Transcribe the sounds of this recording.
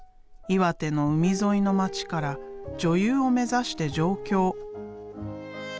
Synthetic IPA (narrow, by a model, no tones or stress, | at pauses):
iβat̪e̞no̞ɯ̟mʲizo̞ino̞mat͡ɕi̥kaɾad͡ʑo̞jɯːo̞me̞zaɕi̥t̪e̞ʑo̞ːkʲo̞ː